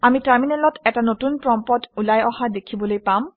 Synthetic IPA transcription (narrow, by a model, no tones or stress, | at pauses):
amitaɹminɛlɔtɛtanotunpɹɔmpɔtulajɔhadekʰibɔlojpam